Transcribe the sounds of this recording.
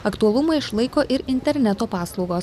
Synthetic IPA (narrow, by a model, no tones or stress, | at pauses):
ɐkt̪uɐlˠʊmɐɪɪʃlˠɐɪkoːʔɪɾɪnʲt̪ʲɛɾʲnʲɛt̪oːpɑːslˠɒʊɡoːs